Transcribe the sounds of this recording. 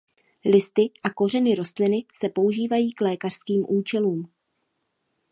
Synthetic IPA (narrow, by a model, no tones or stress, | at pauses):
lɪst̪ɪʔako̞rɛnɪɾo̞st̪lɪnɪsɛpo̞uʒiːvajiːklɛːkar̥skiːmʔuːt͡ʃɛluːm